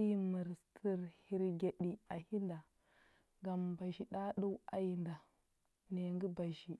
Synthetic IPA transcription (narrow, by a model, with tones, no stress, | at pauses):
mə˨ɾtʰi˦ɾhi˦ɾɡe˨ɗi˨a˨hi˦nda˨ | ɡa˨mba˨ʃi˨ɗa˦ɗu˦wa̰˦ji˨nda˨ | ne˨ŋɡi˦ba˨ʃi˨